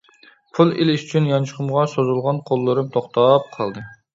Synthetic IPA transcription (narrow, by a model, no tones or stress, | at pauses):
pʰulˠilyʃy̥t͡ʃʰynjɑnt͡ʃʰəχʰəmʁɑsozulˠʁɑnqʰolˠːɨɾɨmt̪ʰoχt̪ʰɑp̚qʰɑlˠd̪ɨ